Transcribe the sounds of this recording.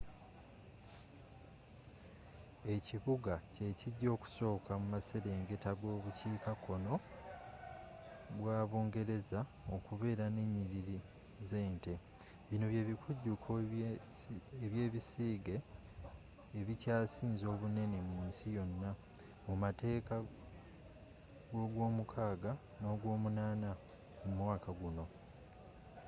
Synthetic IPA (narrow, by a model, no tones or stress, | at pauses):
e̞ciβuɡace̞ciɟːo̞ːku̥so̞ːkamumase̞ɾe̞ːŋɡe̞taɡo̞ːβuciːkakʰo̞no̞ | βwaːβoːŋɡe̞ɾe̞za | o̞kuβe̞ːɾane̞ɲːiɾiɾi | ze̞ːnte̞ | βino̞βje̞ːβikʰuɟːukʰo | eβje̞ːβisiːɡe̞ | βicaːsiːnzo̞ːβune̞ne̞muːnsijo̞nːa | mumate̞ːka | ɡo̞ːɡwo̞ːmukʰaːɡa | no̞ːɡwo̞ːmunaːna | mumwaːkaɡuno̞